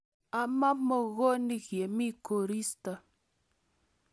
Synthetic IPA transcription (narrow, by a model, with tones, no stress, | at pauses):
a˨ma˦mo˨ɣo˦ni˦ɣje˨mi˦ko˨ɾi˦sta˨